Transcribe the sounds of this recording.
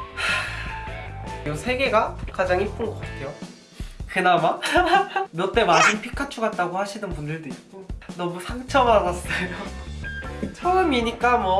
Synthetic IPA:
a | osʰe̞ɡe̞ɡakad͡ʑaŋip͈ɯnɡʌk͈atʰe̞jo | kenama | mʌt͈e̞maɕʰinpʰikʰat͡ɕʰuɡat̚t͈aɡohaɕʰinɯnpundɯɭdoit̚k͈onʌmusʰaŋt͡ɕʰʌmɦaɡas͈ʌjo | t͡ɕʰʌɯmiɲik͈amwʌ

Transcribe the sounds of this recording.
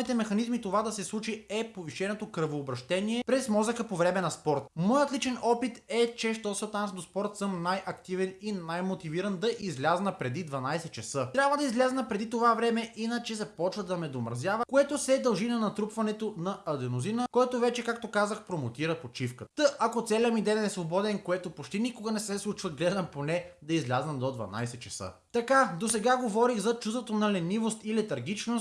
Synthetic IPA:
nit̪ɛmɛxɐnizmit̪ovad̪ɐsɛslˠut͡ʃiɛpoviʃɛnot̪okɾəvoːbɾɐʃt̪ɛniɛpɾɛsmɔzəkəpovɾɛmɛnɐspɔɾt̪mɔjət̪lit͡ʃɛnɔpit̪ɛt͡ʃɛʃt̪ɔsət̪ansd̪ospɔɾt̪sɤmnajʔɐkt̪ivɛninajmot̪iviɾənd̪ɐʔizlʲaznəpɾɛd̪id̪vɐnajsɛt͡ʃɛsɤt̪ɾʲabvəd̪ɐizlʲɛznəpɾɛd̪it̪ovavɾɛmɛʔinət͡ʃɛzɐpɔt͡ʃvəd̪ɐmɛd̪omɾɐzʲjavəkoɛt̪osɛd̪ɐlˠʒinɐnɐt̪ɾupvɐnɛt̪onɐɐd̪ɛnozinəkɔɛt̪ovɛt͡ʃɛkakt̪okazəxpɾomot̪iɾəpot͡ʃifkət̪t̪əʔɐkot̪sɛlʲɐmid̪ɛjnɛsvobɔd̪ɛnkoɛt̪opot͡ʃt̪inikoɡənɛsɛslˠut͡ʃvəɡlɛd̪ɐmponɛd̪ɐizlʲaznɐd̪od̪vɐ̰na̰jsɛt͡ʃɐsə̰ | t̪ɐkad̪osɛɡaɡovɔɾixzɐt͡ʃust̪vot̪onɐlɛnivost̪ilɛt̪ɐɾɡit͡ʃnost̪

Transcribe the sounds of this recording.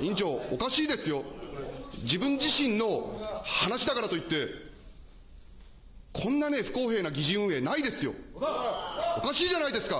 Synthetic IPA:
ĩɲ̟t͡ɕo̞ːkaɕiːd̪e̞sɨjo̞ | d͡ʑibɯ̟̃ɲ̟d͡ʑiɕĩnːo̞hanaɕid̪akaɾat̪oit̪ːe̞ | kʰõ̞nːane̞ɸɯ̟̥ko̞ːɦe̞ːnaɡʲiʑiɯ̃e̞ːnaid̪e̞sɨjo̞̰ | okaɕiːʑanaid̪e̞sɨ̥ka

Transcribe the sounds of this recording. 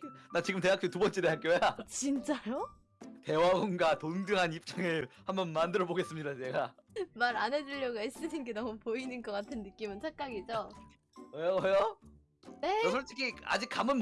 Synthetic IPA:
nat͡ɕiɡɯmt̬e̞ɦak͈otubʌnt͡ɕ͈ee̞ɦak͈jojat͡ɕint͡ɕ͈ajo | te̞waɡonɡatondɯŋɦanip̚t͡ɕ͈aŋɯɭhambʌnmandɯɾʌboɡe̞s͈ɯmɲidat͡ɕeɡamaɾane̞d͡ʑuʎːʌɡais͈ɯdʰinɡenʌmupoinɯnɡʌk͈atʰɯnːɯk͈imɯnt͡ɕʰak͈aɡid͡ʑo | ʌjowʌjo | neʌsʰʌɭt͈ikʰia̰d͡ʑik͈̚amɯn

